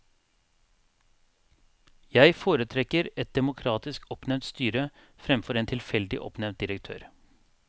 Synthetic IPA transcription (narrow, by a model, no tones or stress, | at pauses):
jæɪfoːɾət̪ʰɾɛkəɾɛt̪̚d̪ɛmʊkʰɾɑːt̪ɪskɔpnɛnt̪st̪yːɾə | fɾɛmfɔɾeːnt̪ʰɪlfɛld̪ɪ̰ʔɔ̰pnɛʋt̪̚d̪ɪɾək̚t̪ʰø̰ːɾ